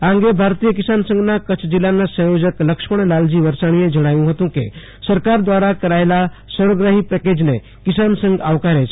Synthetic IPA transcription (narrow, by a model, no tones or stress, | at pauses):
ãŋɡebʱaɾt̪ijəkɪsaːnsə̃ŋɡnakət͡ʃʰd͡ʒilːanːasə̃jod͡ʒəkləkʃpəɳ̃laːld͡ʒiʋəɾsaɽ̃ijẽd͡ʒəɽ̃aːjũɦət̪ũkḛ | səɾkaɾd̪ʋaːɾakəɾaːelasəɾəɡɾaɦipɛked͡ʒne | kɪsansə̃ŋɡaʋkaɾet͡ʃ